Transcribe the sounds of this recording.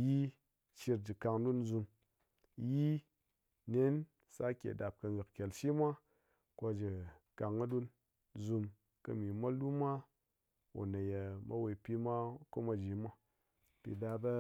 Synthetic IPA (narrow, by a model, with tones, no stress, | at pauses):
ji˦ | t͡ʃi˧ɾd͡ʒi˨ka˧ŋdu˦nzu˧m | ji˦ | ne˦n | sa˦kʲḛ˨da˨p̚kɐ˧ɡɨ˨kkʲe˨lʃi˦mʷa˦ | ko˧d͡ʒi˨ka˨ŋɐ˦du˦n | zu˧m | kɐ˧mi˨mʷa˦lu˦mʷa˦ | o̰˨nɐ˨ja˨mɐ̰˦we˧pʲi˧mʷa˦ko˦ma˧d͡ʒi˨mʷa˦ | pḭ˨da˧bɐ˦